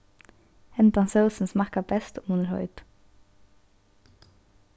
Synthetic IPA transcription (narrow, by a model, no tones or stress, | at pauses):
hɛnt̪ɑnsəʊsn̩smɑkɑbɛst̪oːmuːnəɾhɔ̰ʏd̪̥